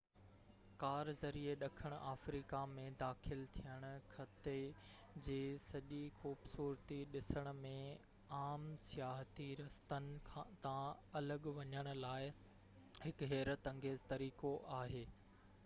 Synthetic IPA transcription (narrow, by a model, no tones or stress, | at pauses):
kaːɾzɐɾieɗɐkʰəɽ̃ʊʔaːfɾiːkamẽd̪aːxɪlt̪ʰijəɽ̃ʊ̆kʰɐt̪e | d͡ʑeːsɐʄixuːbsuːɾt̪iɗɪsəɽ̃ʊ̆mẽ | aːmsɪjaːɦt̪iɾɐst̪ənɪ̆kʰãt̪ãɐləɠʋɐɲəɽ̃ʊ̆laːɪ | ɦɪkɦɛːɾət̪ɐ̃ŋɡeːzt̪ɐɾiːkoʔaːɦeː